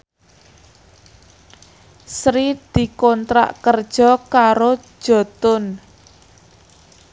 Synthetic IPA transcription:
sɾid̪̥i̤kɔnt̪ɾa̰ʔkərd̥ʒ̥ɔ̤kaɾo̥ | ʒ̥ɔ̤t̪ʊn

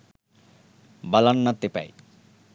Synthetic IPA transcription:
balanːat̪ːepa̰j

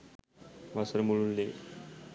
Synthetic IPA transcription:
ʋasəɾmuɭunle

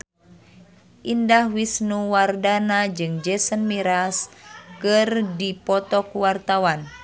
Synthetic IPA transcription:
ʔindahwisnuwardanad͡ʒɨŋd͡ʒɛsənmiɾaskɨrdipɔt̪ɔkuwart̪awan

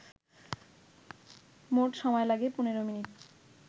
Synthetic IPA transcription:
moʈʃɔmɔelaɡepuneɾominiʈ

